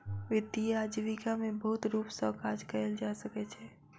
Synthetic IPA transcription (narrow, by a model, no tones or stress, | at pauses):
ʋɪd̪iad͡ʒiʋikamẽbəɦʊt̪ɾuːpsə̃kaːd͡ʒkəeld͡ʒasəkɛt͡ʃʰɛː